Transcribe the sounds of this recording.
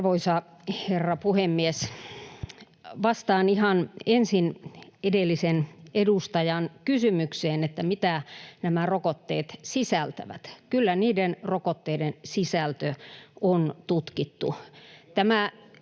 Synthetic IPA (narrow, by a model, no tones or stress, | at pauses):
ʋoisɑ | herːɑpuhemːies | ʋɑst̪ɑːnihɑnensinedelːisenedust̪ɑjɑnkysymykseːnet̪ːæmit̪ænæmærokot̪ːḛːt̪sisælt̪æ̰ʋæ̰t̪kylːæniːdenrokot̪ːeidensisælt̪øont̪ut̪kit̪ːut̪æmæ